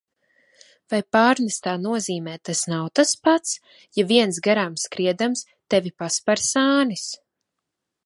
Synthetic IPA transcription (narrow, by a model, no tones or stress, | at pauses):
vajpaːɾnɛst̪aːnuɔziːmɛːt̪asnawt̪aspat̪s | javiɛnsɡaɾamskɾiɛd̪ams | t̪ɛvʲipaspaɾsaːnis